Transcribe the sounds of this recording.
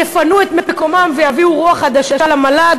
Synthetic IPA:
jefanuet̪mepekomamvejaviuʁuaχad̪aʃaalamalad

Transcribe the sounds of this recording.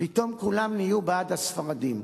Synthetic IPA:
pit̪o̞mkulamnijubeadasfaʁadim

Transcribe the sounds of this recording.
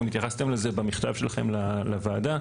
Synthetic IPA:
mit̪jaχast̪e̞mleze̞bamiχt̪avʃe̞laχe̞̰mlalavaːd̪a

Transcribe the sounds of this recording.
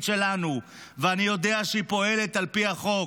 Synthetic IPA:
tʃe̞lanu | veanijo̞deaʃeipo̞e̞le̞t̪alpiaχo̞

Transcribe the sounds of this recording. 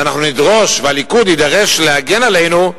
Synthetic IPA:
anaχnunid̪ʁo̞ʃvealikud̪id̪aʁeʃleaɡenale̞jnu

